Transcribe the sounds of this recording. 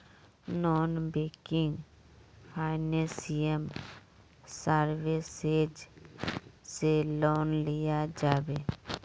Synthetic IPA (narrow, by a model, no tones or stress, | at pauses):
nɔːnbeːkɪ̃ŋɡ | pʰaːɪnesijəm | saɾweseːd͡ʒ | selɔːnlɪjad͡ʒaːbeː